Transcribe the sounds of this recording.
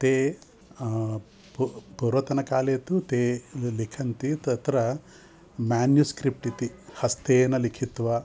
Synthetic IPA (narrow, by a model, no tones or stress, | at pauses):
t̪eː | ppuɾʋɐt̪ɐnɐkaːleːt̪ut̪eːlikʰɐnt̪it̪ɐt̪ɾɐ | maːnjuskɾip̚ʈit̪ihɐst̪eːnɐlikʰit̪ʋɐ